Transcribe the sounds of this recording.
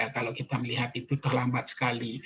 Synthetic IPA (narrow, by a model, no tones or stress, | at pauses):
akalokit̪aməliɦat̪it̪ut̪ərlambat̪̚sə̥kali